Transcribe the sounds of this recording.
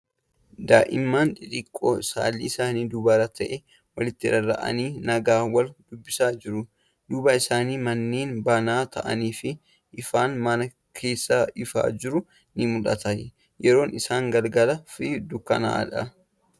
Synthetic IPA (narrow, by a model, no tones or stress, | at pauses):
d̪aːʔɪmːaːnᶑɪᶑɪkʼːo̰ːɪsa̰ːlːḭːɪsaːniːd̪ʊbaːɾɐt̪ɐʔɛ | wɐlɪt̪ːɪɾɐɾɐ̰ʔɐ̰niːnɐɡaːwɐld̪̥ʊbːɪsaːd͡ʒɪɾʊ | d̪̥uːbaɪsaːniːmɐnːeːnbanaːt̪ɐʔɐ̰niːfɪ | ɪfaːnmɐnɐ | kʰe̞ːsːɐɪfa̰ːd͡ʒɪɾʊ | nɪmʊᶑɐ̰t̪ɐj | jɛɾo̞ːnʔɪsaːŋɡɐlɡɐlɐfɪd̪ʊkːɐ̰nɐ̰ᶑɐ